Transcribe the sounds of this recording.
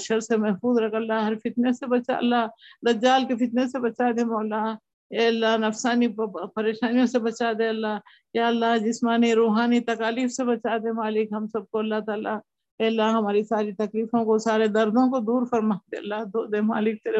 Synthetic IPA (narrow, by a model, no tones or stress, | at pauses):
ʃəɾsemɛɦfuːzɾɐkʰəlːaɦɐɾfɪt̪nesebɐt͡ʃa̰ə̰lːad̪ɐd͡ʒaːlkefɪt̪nesebɐt͡ʃad̪emɔːlːa | ɛːəlːanɐfsaːnipɐɾeːʃaːnijõsebɐt͡ʃad̪eɐlːaː | jjaːəlːaɦd͡ʒɪsmaːniɾoːɦaːnit̪ɐkaːliːfsebɐt͡ʃad̪emaːlɪkɦɐmsɐb̚koɐlːaɦt̪aːla | ɛːəlːaɦɐmaːɾisaːɾit̪ɐkliːfõkosaːɾed̪ɐɾd̪ʱõkod̪uːɾfɐɾmaːd̪eɐlːad̪oːd̪ema̰ːlɪk̚t̪eɾ